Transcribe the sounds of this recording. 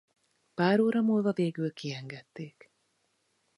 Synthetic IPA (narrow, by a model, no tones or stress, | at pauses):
paːɾoːɾɒmuːlvɒveːɡylkiɛŋɡɛt̪ːeːk